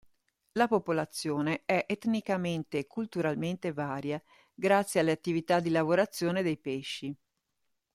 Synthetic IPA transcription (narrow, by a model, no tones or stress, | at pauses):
lapopolat̪sːjoːneɛʔɛt̪nikament̪ekʰːult̪uɾalment̪evaːɾja | ɡɾat̪sːjealːeat̪ːivit̪ad̪ːilavoɾat̪sːjoːned̪ejpeʃːi